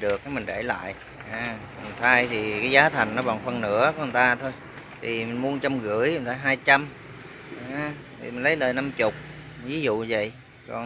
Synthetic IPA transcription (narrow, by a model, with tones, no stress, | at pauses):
ɗɨ˨˩ək̚kaː˨˦jmï˨˩ŋ̟ɗe˧˩la̰ː˧˨jʔ | haː˨˧˩m˨˩ŋt̪ʰaː˧jt̪ʰi˨˩kaː˨˦jzaː˨˦t̪ʰa˨˩jŋ̟nɔ˨˦ɓa̰˧˨˩ŋfə˧nnɨ̰˧˥əkɔ˧˨˦ə˨˩t̪aː˧t̪ʰo˧j | t̪ʰi˨˩mï˨˩ŋ̟mu˧ənt͡ɕɔ˧mɣɨ̰˧˥əjə˨˩t̪aː˧ɦaː˧jt͡ɕa˧m | aː˨˧˩ | t̪ʰi˨˩mi˨˩ŋ̟lə˨˦jləː˨˩jna˧mt͡ɕʊ˨˩k͡p̚ | vi˨˦zṵ˧˨və̰˧˨j | kɔ˨˩n